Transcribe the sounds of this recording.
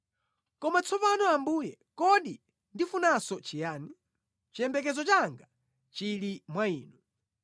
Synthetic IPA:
kɔmat͡sʰɔpanɔambuːjɛ | kɔɗi | ndifunasɔt͡ʃijaːni | t͡ʃiɛmbɛk̬ɛzɔt͡ʃaŋɡa | t͡ʃilimwaiːnu

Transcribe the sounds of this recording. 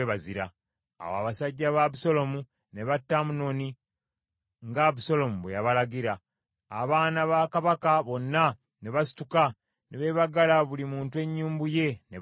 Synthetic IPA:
eβaziɾa̰ː | wa̰βasaɟːaβaβuso̞lo̞mu | ne̞βatːamuno̞ni | ŋɡaβuso̞lo̞muβwejaβalaɡiɾaː | βaːnaβakaβakaβo̞nːa | ne̞βasi̥tuka | neβe̞ːβaɡalaβulimuːntue̞ɲːuːmbuje̞ne

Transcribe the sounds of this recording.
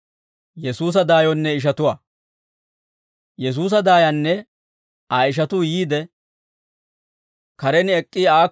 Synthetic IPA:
jɛsuːs̬ɐd̪aːjɔnːɛɪʃ̬ɐt̪ʊwaː | jɛs̬uːs̬ɐd̪aːjɐnːɛ | aɪʃ̬ɐt̪ujiːd̪ɛ | kɐɾɛnɛkʼːiaː

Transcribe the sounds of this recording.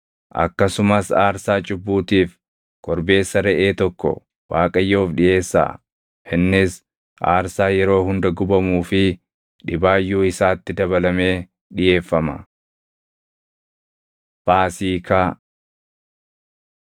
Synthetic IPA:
ʔɐ̰kːɐsʊmɐsaːɾsaːt͡ʃʼʊbːuːt̪iːf | kɔɾbe̞ːsːɐɾɛʔeːt̪ɔkːɔ̰ | waːkʼɐjːo̞ːfᶑɪjʔe̞ːsːa̰ː | ʔɪnːɪs | ʔa̰ːɾsaːjɛɾo̞ːɦʊnd̪ɐɡʊbɐmuːfɪ | ᶑɪbaːjːuːɪsaːt̪ːɪd̪ɐβɐlɐme̞ː | ᶑɪje̞ːfːɐmɐ | b̥aːsiːkaː

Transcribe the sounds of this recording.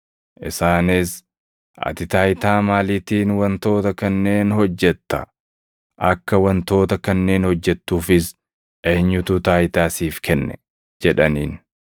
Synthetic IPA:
ʔɪsaːnɪs | ʔɐ̰t̪ɪt̪aːjt̪aːmaːliːt̪iːnwɐnt̪o̞ːt̪ɐkɐnːe̞ːnhɔd͡ʒːɛt̪ːɐ̰ | ʔɐkːɐwɐnt̪o̞ːt̪ɐkɐnːe̞ːnhɔd͡ʒːɛt̪ːuːfɪs | ʔeːɲːʊt̪ʊt̪aːjt̪aːsiːfkʰɛnːɛ̰ | d͡ʒɛᶑɐniːn

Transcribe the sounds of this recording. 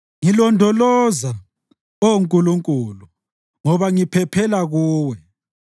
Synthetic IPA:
ŋilɔndʱɔlɔza | ouŋkʼuluŋkʼuːlu | ŋɔβaŋipʰɛpʰɛlaɣuːwɛ

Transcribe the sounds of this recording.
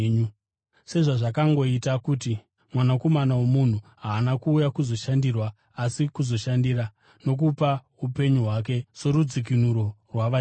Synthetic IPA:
u | se̞ʐaʐakaŋɡo̞itakuti | mwanako̞manawomun̤uɦaːnakuːjakuzo̞ʃandirwaː | sikuzo̞ʃandira | no̞k̬upa | upe̞ɲuɦwak̬e̞so̞rud͡zik̬inuɾo̞rwaʋa

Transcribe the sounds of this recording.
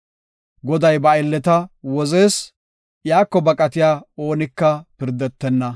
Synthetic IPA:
ɡɔd̪ɐjbɐɛlːɛt̪ɐwɔze̞ːs | jaːkːɔbɐkʼɐt̪ɪjaːo̞ːnɪkːɐpɪɾd̪ɛt̪ːɛnːɐ

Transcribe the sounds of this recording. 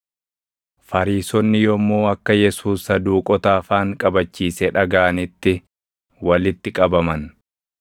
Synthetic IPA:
fɐɾiːsɔnːɪjɔmːoːɐkːɐjɛsuːsːɐd̪uːkʼɔt̪aːfaːŋkʼɐbɐt͡ʃːiːsɛᶑɐɡaːɐnɪt̪ːɪ | wɐlɪt̪ːɪkʼɐbɐmɐn

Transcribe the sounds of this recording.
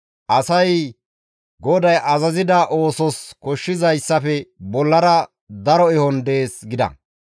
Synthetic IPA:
ʔɐsɐj | ɡɔd̪ɐjʔɐzɐzɪd̪ɐʔo̞ːsɔskɔʃːɪzɐjsːɐfɛbɔlːɐɾɐ | d̪ɐɾɔɛhɔnd̪e̞ːsɡɪd̪ɐ̰

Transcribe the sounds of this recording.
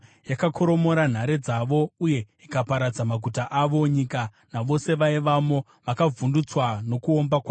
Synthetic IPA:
jakakʰo̞ɾo̞mo̞ɾan̤aɾed͡zaʋo̞uje̞ | ikapaɾad͡zamaɡʱutaʔaʋo̞ɲika | naʋo̞se̞ʋaiʋamo̞ | ʋakavundut͡swano̞kuombakwa

